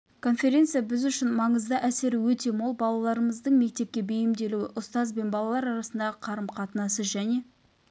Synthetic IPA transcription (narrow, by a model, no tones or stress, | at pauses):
kʰo̞nfʲe̞ɾʲe̞nt̪sɨjabɪzʏʃɪnmɑɴəzd̪ɑʔæse̞ɾɪwɵt̪e̞molˠbɑlˠɑlˠɑɾəməzd̪əɴme̞k̚t̪e̞p̚kʲe̞bejɪmd̪e̞luwɪʔʊst̪ɑzbe̞nbɑlˠɑlˠɑɾɑɾɑsənd̪ɑʁəqʰɑɾəmqʰɑt̪ənɑsəzʒæne̞